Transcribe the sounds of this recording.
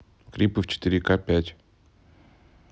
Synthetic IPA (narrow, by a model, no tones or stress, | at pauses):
kɾʲipɨft͡ɕɪ̥t̪ɨɾʲɪkapʲætʲ